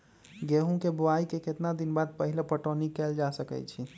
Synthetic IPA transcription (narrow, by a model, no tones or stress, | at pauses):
ɡeɦũkeboaikeket̪nad̪inbad̪̚pəɦilepəʈonikɛld͡ʒasəkɛ̰t͡ʃʰi